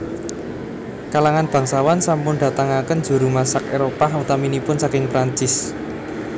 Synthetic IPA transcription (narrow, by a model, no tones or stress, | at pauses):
kalaŋanb̥a̤ŋsawansampʊnɖ̪ä̤t̪aŋakən̥d͡ʒ̥ṳɾumasakeɾopaɦut̪aminipʊnsakɪŋpɾaɲt͡ʃɪs